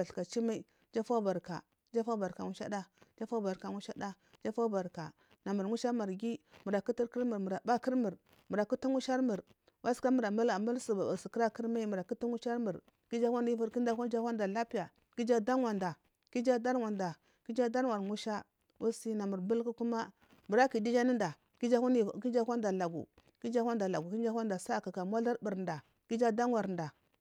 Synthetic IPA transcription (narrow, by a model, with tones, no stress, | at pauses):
a˨ɬka˨t͡ʃi˦ma˦i˦ | d͡ʒa˦fa˦ba˨ɾka̰˨ | d͡ʒa˦fa˦ba˨ɾka˨ŋu˦ʃa̰˦da˦d͡ʒa˦fa˦ba˨ɾka˨ŋu˦ʃa˦da˦ | d͡ʒa˦fa˦ba˨ɾka̰˨ | na˨mu˨ɾŋu˦ʃa˦ma˨ɾɡi˦mu˨ɾa˨ku˦ti˦ɾki˦ɾmu˨ɾmu˨ɾa˨ba˦ki˦ɾmu˨ɾ | mu˨ɾa˨ku˦tu˦ŋu˦ʃa˦ɾmu˨ɾ | wa˦ska˦mu˨ɾa˨ma˦la˨ma˦lsu˨ba˨ba˨si˨ki˦ɾa˦ki˦ɾma˦i˦mu˨ɾa˨ku˦tu˦ŋu˦ʃa˦ɾmu˨ɾ | ki˦d͡ʒa˦kʷa˦ni˦vu˦ɾki˦nda˦a˦n˦d͡ʒa˦wʷa˦nda˨la˦pi˦ja˨ | ki˦d͡ʒa˦da˦ŋwa˨nda˨ | ki˦d͡ʒa˦da˦ɾwa˨nda˨ | ki˦d͡ʒa˦da˦n˦wa˨ɾŋu˦ʃa˦ | wu˦si˦na˨mu˨ɾbu˦lku˦ku˦ma˦ | mu˨ɾa˦ki˨di˦d͡ʒa˦ni˦nda˨ | ki˦d͡ʒa˦˨ki˦d͡ʒa˦kʷa˦nda˨la˨ɡṵ˨ | ki˦d͡ʒa˦a˦nda˨la˨ɡu˨ki˦d͡ʒa˦a˦nda˨sa˦˨ka˨ka˨mwa˦la˦ɾbi˨ɾda˨ | ki˦d͡ʒa˦da˦n˦wa˨ɾnda˨